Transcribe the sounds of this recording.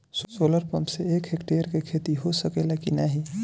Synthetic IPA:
sosoːləɾpɐ̃mpseeːkɦekʈeːəɾkekʰeːt̪iɦosəkelakinaɦi

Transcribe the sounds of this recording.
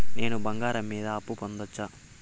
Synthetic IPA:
ne̞ːnubɐŋɡaːɾɐmːiːd̪ɐːpːupond̪ɐt͡ʃːaː

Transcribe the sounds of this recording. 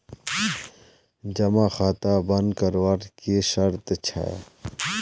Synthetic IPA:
d͡ʒɐmaxaːt̪abənkəɾwaɾkeʃəɾt̪t͡ʃʰa̰

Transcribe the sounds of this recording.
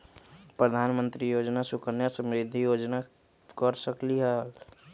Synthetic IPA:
pɾəd̪ʱanmə̃nt̪ɾijod͡ʒnasukənjasə̃mɾid̪ʱːijod͡ʒna | kəɾsəkliɦəl

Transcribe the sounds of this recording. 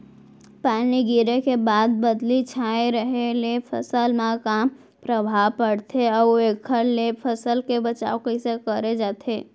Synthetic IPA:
paːniɡiɾẽkebaːd̪̚bəd̪lit͡ʃʰaːeɾəɦelepʰə̰səlmãka | pɾəbʱaːʋpəɽt̪ʰeɔoekʰːəɾlepʰəsəlkebət͡ʃa̰ːokisekəɾed͡ʒaːt̪ʰeː

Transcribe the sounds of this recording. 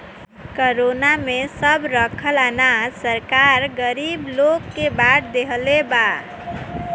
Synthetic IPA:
kəɾonamesəbɾəkʰəlanasəɾkaɾɡəɾiblokːebaʈʰd̪eɦəleba

